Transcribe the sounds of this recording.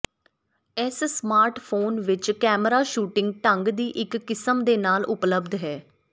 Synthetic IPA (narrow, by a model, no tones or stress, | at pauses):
ɛssmaːɾʈpʰoːnʋɪt͡ʃkɛːmɾaːʃuːʈɪ̃ŋɡ̚ʈəŋɡd̪iːʔɪkːɪsəmd̪eːnaːlʊpləbd̪ɦɛː